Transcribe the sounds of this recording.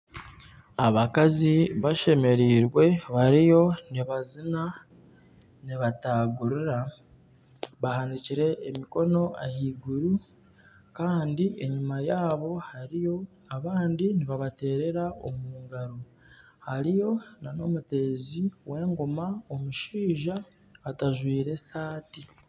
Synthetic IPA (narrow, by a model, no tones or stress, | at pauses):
aβakaziβaʃe̞me̞ɾiːɾwe̞βaɾijo̞niβazina | niβataɡuɾuɾa | βahandiciɾe̞ːmiko̞no̞ahiːɡuɾu | kaːndiʔe̞ɲumajaːβo̞haɾijo̞ | aβaːndiniβaβate̞ːɾe̞ɾao̰muːŋɡaɾo | haɾijo̞nano̞mute̞ːziwe̞ːŋɡomaomuʃiːʒa | βataʒwiːɾe̞saːti